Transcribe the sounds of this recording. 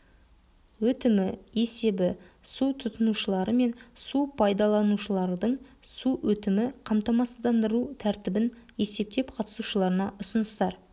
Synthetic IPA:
wɵt̪ɪmɪje̞se̞bɪsut̪ʰʊt̪ənuʃəlˠɑɾəme̞nsupʰɑjd̪ɑlˠɑnuʃəlˠɑɾd̪əɴ | suwɵt̪ɪmɪqʰɑmt̪ɑmɑsd̪ɑnd̪əɾut̪ʰæɾt̪ɪbɪne̞se̞p̚t̪e̞pqʰɑt̪ə̥suʃəlˠɑɾənɑʔʊsənəst̪ɑɾ

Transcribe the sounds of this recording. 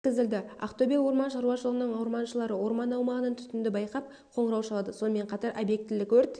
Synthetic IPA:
kʲɪzɪld̪ɪa̰qt̪obʲijwo̞ɾmɑnʃɑɾuɑʃəlˠʁənəɴɑwɾmɑnʃəlˠɑɾəwo̞ɾmɑnɑwmɑʁənənt̪ʰʏ̥t̪ɪnd̪ɪbɑjqɑp̚ | qʰo̞ɴɾɑwʃɑlˠɑd̪əso̞nəme̞ɴqʰɑt̪ɑɾʔobje̞k̚t̪ɪlɪkwɵɾt̪

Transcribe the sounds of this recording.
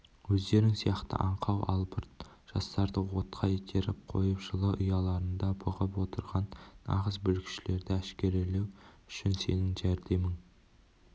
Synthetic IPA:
wɵzd̪e̞ɾɪŋsijɑqt̪ə̰ʔɑɴqʰɑwʔɑ̰lˠbəɾt̪ʒ̥ɑst̪ɑɾd̪əwo̞t̪qʰɑjet̪ʲʰeɾɪp̚qʰo̞̰jəpʒəlˠəʔʊjɑlˠɑɾənd̪ɑbəʁəpwo̞t̪əɾʁɑnːɑ̰ʁəzbɵlkʲɪ̥ʃɪle̞ɾd̪ɪæʃkʲe̞ɾele̞wʏʃɪnse̞nɪŋʒæɾd̪e̞mɪŋ

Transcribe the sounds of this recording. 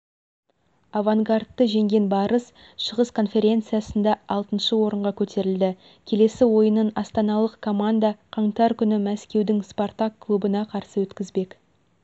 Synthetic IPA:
avaŋɡart̪ːəʒe̞ŋɡʲe̞nbɑɾəs | ʃəʁəskʰo̞nfe̞ɾʲe̞nt̪sɨjasənd̪ɑɑlˠt̪ənʃəwo̞ɾəɴʁɑkʲʰɵt̪e̞ɾɪld̪ɪ | kʲʰe̞le̞sɪwo̞jənənɑst̪ɑnɑlˠəqkʰːo̞mand̪aqʰɑɴt̪ɑɾkʲʰʏnɪmæskʲe̞wd̪ɪŋspo̞rt̪akːlˠubənɑqʰɑɾsəwɵt̪kʲɪzbe̞k

